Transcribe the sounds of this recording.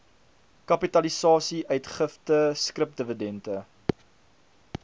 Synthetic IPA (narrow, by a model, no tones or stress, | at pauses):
kɐpitɐlisɑːsiʔœɥtχəftəskrəp̚dəvədɛntə